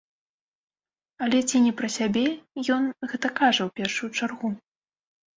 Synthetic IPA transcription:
ɐlʲɛt͡sʲinʲɛpɾɐsʲabʲɛjɔnɣɛt̪ɐkaʐɐwpʲɛrʂujut͡ʂarɣu

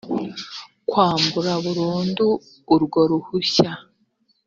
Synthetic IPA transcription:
kwaːmbuɾaβuɾuːnduː | ɾɡo̞ɾuhuça

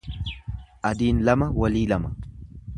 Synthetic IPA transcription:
ʔɐd̪iːnlɐmɐwɐliːlɐmɐ

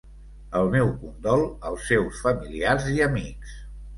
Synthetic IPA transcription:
əlˠmɛwkund̪ɔlˠəlˠsːewsfəmiliaɾziəmiks

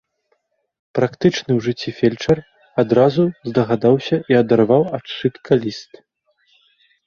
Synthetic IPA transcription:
pɾakt̪ɨt͡ʂnɨwʐɨt͡sʲːifʲɛlʲt͡ʂɐr | ad̪ɾazuzd̪ɐɣad̪awsʲɐʔiɐd̪arvawat͡ʂːɨt̪kʰɐlʲist̪

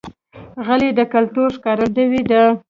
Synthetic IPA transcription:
ɣəled̪əkalt̪uɾʃkɑɾədəwid̪ə

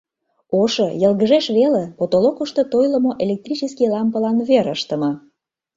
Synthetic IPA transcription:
oʃɤjəlɣəʒeʃβelepot̪olokəʃt̪ot̪ojlə̆moʔelʲek̚t̪ɾrit͡ɕəskilɑmpəlɑnβeɾəʃt̪ə̆mɤ̆

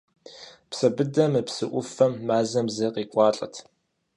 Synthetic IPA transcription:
psɐbɨdɐmɨpsɨʔʷʊfɐmːaːzɐmzɐqiːkʷʼɑːɬʼɐ̰tʰ

